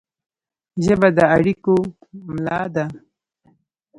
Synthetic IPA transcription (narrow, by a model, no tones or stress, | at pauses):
ʒəbad̪əaɽiko | mlɑd̪a